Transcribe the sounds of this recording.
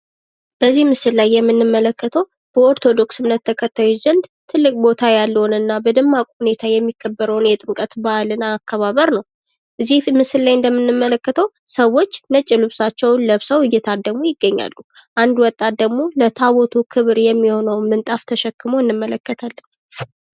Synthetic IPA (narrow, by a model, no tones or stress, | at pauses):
b̥əzːihmɨsɨllajːɛmːɨnːɨmːələkːət̪ʰəw | b̥əoɾt̪ʰo̞d̪o̞ksɨmnːət̪ʰːəkʰət̪ʰːajuzənd̪t̪ʰɨlːɨkʼbo̞t̪ʰajalːəhnɨnːabəd̪ɨmːakʼhune̞t̪ʰajɛmːikʰːəbːəɾəwnjɛt̪ʼɨmkʼət̪baalɨnaːkːəβaβəɾnəw | ʔɨzːihmɨsɨllajɨnd̪əmːɨnːɨmːələkːət̪ʰəw | səwːo̞t͡ʃːnət͡ʃʼːɪlɨβsat͡ʃːɛwnləβsəwɨjːɛt̪ʰad̪əɡmojɪɡːəɲːa̰lːu | ʔand̪wɔt̪ʼːat̪̚d̪əɡmo̞lət̪ʰaβot̪ʰukʰɨβɾjɛmːiho̞nəwmɨnt̪ʼaft̪ʰəʃɛkːɨmoɨnːɨmːələkːət̪ʰalːən